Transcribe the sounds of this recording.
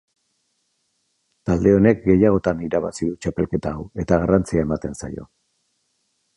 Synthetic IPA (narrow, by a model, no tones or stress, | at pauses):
t̪ald̪e̞o̞ne̞k̚ɡe̞jaɣ̞o̞t̪aniɾaβa̰siðut͡ʃape̞lke̞t̪aːwe̞t̪aɣ̞arant͡siae̞mat̪e̞nsa̰jo̞̰